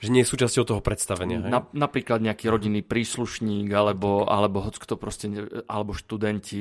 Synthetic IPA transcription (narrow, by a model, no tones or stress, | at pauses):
ʒɛɲɪɛjɛsuːt͡ʃascɔʊt̪ɔɦɔpɾɛt̪st̪aʋɛɲɪaɦɛnanapɾiːklad̪ɲɛakiːɾɔɟinːiːpɾiːsluʃɲiːɡalɛbɔa̰lɛbɔɦɔt͡skt̪ɔpɾɔscɛɛʔalɛbɔʃt̪ud̪ɛnci